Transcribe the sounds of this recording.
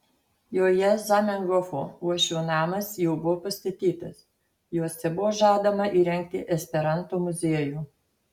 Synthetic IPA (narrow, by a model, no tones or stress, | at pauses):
joːjɛzɐmʲɛŋɡɔfoːuɔʃʲuːnɑːmɐsjɛʊbʊʋoːpɐsʲt̪ɐt̪ʲiːt̪ɐs | joːsʲɛbʊʋoːʒɑːd̪ɐmɐʔiːɾʲɛŋʲk̚t̪ʲɪʔɛsʲpʲɛɾɐnt̪oːmʊzʲeːjuː